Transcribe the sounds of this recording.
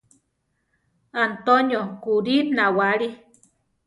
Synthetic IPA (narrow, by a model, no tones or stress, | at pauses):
ant̪oɲokuɾinawaɾi